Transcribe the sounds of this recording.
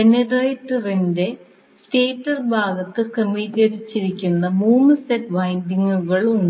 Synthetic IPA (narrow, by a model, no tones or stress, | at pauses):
eneɖɐjtːɐrinde̞ | sʈeːtːɐrbʱaːɡɐt̪ːɨkɐmiːɣɐɾit͡ɕːiɾikʲːunːɐmuːnɨsetʋɐjndiŋːuɣɐɭun